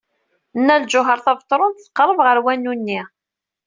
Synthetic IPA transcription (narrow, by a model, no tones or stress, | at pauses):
nːælʒʊɦəɾˤθævət̪ˤːɾˤʊnt̪θːə̥qːɾˤəvʁəɾwænːunːi